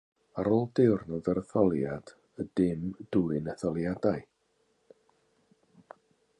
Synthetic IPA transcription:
aɾoːlˠdɪwrnɔdəɾəθɔlˠjad̥ | ədɪmd̥uɨnəθɔlˠjadaɨ

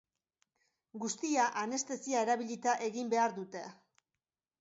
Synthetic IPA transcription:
ɡust̪iaʔane̞st̪e̞siae̞ɾaβiʎit̪aʔe̞ɣimbe̞aɾðut̪e̞

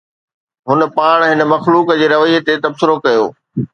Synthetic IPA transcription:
ɦʊnə̆paːɽ̃ɦɪnə̆mɐxluːkd͡ʑeːɾɐʋəit̪et̪ɐbsɪɾokɐjoː

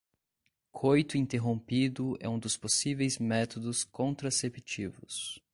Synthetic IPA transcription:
kʰojt̪ʊĩnt̪eɦõpid̪ʊɛ̰ũd̪ʊsposivejzmɛt̪od̪ʊskõnt̪ɾasepit͡ʃivʊs

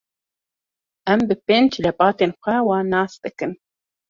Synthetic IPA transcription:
æmbɨpeːnt͡ʃʰlɐpʼɑːt̪ʰeːnxʷæwɑːnɑːst̪ʼɨkɨn

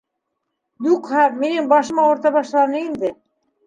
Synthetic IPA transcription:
juqhɑminɘŋbɑʃɤ̆mɑwŏɾt̪ɑβɑʃlˠɑnɤind̪ɘ

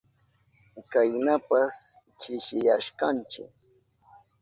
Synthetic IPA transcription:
kajnapas | t͡ʃɪʃɪjaʃkant͡ʃɪ̰k

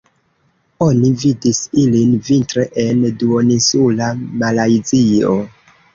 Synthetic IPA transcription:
o̞nividisilinvintɾeʔenduonisulamalajzio

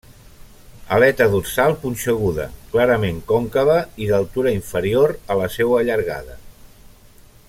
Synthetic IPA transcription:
ə̰lɛt̪əðutsalˠpunʲʃəɣuðə̰klaɾəmeŋkɔŋkəβəiðəlˠt̪uɾəiɱfəɾioɾələsewəːʎəɾɣa̰ðə̰

